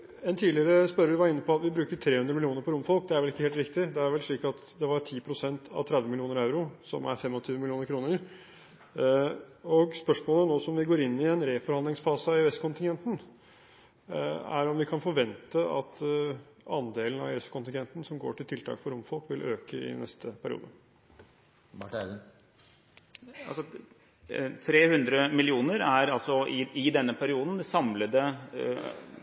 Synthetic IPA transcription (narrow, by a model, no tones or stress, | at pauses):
ɛnt̪ʰiːlɪəɾəspœɾəʋɪʋɑɾɪnːəpʰɔɑt̪ʋɪbɾʉːkəʈ̪ʰɾeːhʉnd̪ɾəmɪlɪuːnəɾpɔɾʊmfɔlˠk̚d̪ɛæɾʋɛlɪkːəeːlt̪ɾɪkt̪ɪd̪ɛæɾʋɛlʂɭiːkɑt̪d̪ɛʋɑɾtʰiːpʰɾʊsɛnt̪ʰɑ̰ʋt̪ʰɾɛd̪ʋəmɪlɪuːnəɾɑʉɾʊsɔ̰mæ̰ɾfɛmɔt̪ʰyːʋəmɪlɪuːnəɾkʰɾuːnəɾ | ɔɡspœʂmoːlənoːsɔmʋɪɡoːɾɪnːɪɛnɾeːfɔɾhɑnd̪lɪŋsfɑːsəɑɪɛst̪kʰʊnt̪ɪŋɡɛnt̪n̩ | æ̰ɾɔmʋɪkʰɑnfɔɾʋɛnt̪əɑ̰t̪ | ɑnd̪eːlənɑ̰ɪɛst̪kʰʊnt̪ɪŋɡɛnt̪n̩sɔmɡo̰ːʈʰɪlt̪ʰɪlt̪ʰɑ̰ːkfɔɾʊmfɔlkʋɪlʔøːkəɪ̰nɛ̰st̪ʰəpʰæɾɪ̰ṵːd̪ə | ɑ̰lsɔ | t̪ʰɾeːhʉnd̪ɾəmɪlɪuːnəɾæɾɑlsɔɪɪd̪ɛnːəpʰæɾɪuːd̪n̩sɑmləd̪ə